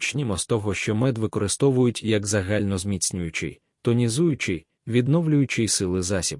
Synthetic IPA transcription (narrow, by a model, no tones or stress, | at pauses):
t͡ʃnʲimɔst̪ɔɦɔʃt͡ʃɔmɛd̪ʋɪkɔɾɪst̪ɔʋʊjʊtʲjɐɡzɐɦalʲnɔzmʲit͡sʲnʲʊjʊt͡ʃɪ̰j | t̪ɔnʲizujʊt͡ʃɪj | ʋʲid̪nɔwlʲʊjʊt͡ʃɪjsɪlˠɪzasʲib